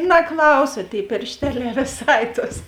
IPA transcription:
nɐˈklˠɐʊsɐ ˈtʲeːɪ pʲɪrʲʃʲˈtʲæːlʲæː ʋʲɪˈsɐɪ toːs

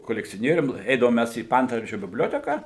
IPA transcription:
koːlʲɛkt͡sʲoːˈnʲiɛrʲʊm ˈɛɪdɐʋoːm ˈmʲæs iː ˈpɐɐntʋɐrʲd͡ʒʲʊ bʲɪbʲˈlʲoːtʲɛkɑː

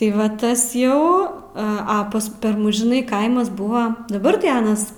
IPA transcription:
tɐɪ ˈʋɐ ˈtɐs ˈjɛʊ ˈɐ ˈpɐs ˈpʲɛr ˈmʊs ʒʲɪˈnɐɪ ˈkɐɪmɐs ˈbʊʋɐ dɐˈbɐr tɐɪ ˈɑːnɐs

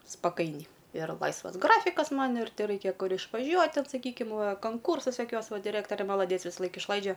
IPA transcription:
spɐˈkɐɪnʲɛɪ ɪr ˈlˠɐɪsʋɐs ˈɡrɑːfʲɪkɐs ˈmɐn ɪr tʲɛˈrɐɪkʲɛ ˈkʊr ɪʃʋɐˈʒʲuɔtʲ ˈtʲɛn sɐˈkʲiːkʲɪm ˈʋɐ kɐŋˈkuːrsɐs joːˈkʲuɔs ˈʋɐ dʲɪˈrɜktoːrʲeː mɐlˠɐˈdʲiɛt͡s ʋʲɪsɐˈlˠɐɪk ɪʃˈlˠɐɪd͡ʒʲɛ

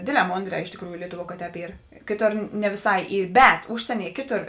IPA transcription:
ˈdʲeːdʲˌlʲɛː ˈmoːnʲdʲrʲɛː ɪʃ tʲeːkˈruːjʊ ˈlʲiɛtʊˌʋuɔ kɐ ˈtʲɛːp ˈiːr ˈkʲeːˌtoːr nʲɛ ʋʲɪˈsɐɪ ˈiː ˈbʲɛt ˈʊʃʲsʲiɛˌnʲiɛ ˈkʲeːˌtoːr

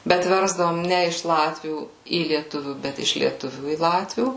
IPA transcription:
ˈbʲɛt ˈʋʲɛrzdɐʋoːm ˈnʲɛ ɪʃ ˈlˠɑːtʲʋʲuː iː lʲiɛˈtʊʋʲuː ˈbʲɛt ɪʃ lʲiɛˈtʊʋʲuː iː ˈlˠɑːtʲʋʲuː

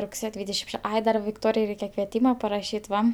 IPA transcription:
rʊkˈsʲeːjoː ˈdʲʋʲiːdʲɛʃʲɪm ˈʃʲɛ ˈɐɪ dɐ ʋʲɪkˈtoːrʲɪjɛɪ ˈrʲɛɪkʲɛ kʋʲiɛˈtʲiːmɐ pɐrɐˈʃʲiːt ˈʋɐ

